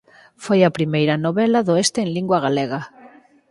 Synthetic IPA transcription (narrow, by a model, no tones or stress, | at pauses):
fojapɾimejɾanoβelaðoest̪eːŋliŋɡwaɣ̞aleɣ̞a